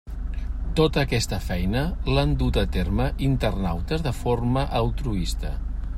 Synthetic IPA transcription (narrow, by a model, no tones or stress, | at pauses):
t̪ot̪əːkɛst̪əfɛjnəland̪ut̪ət̪erməʔint̪ərnawt̪əzðəfoɾməʔəlˠt̪ɾuist̪ə̰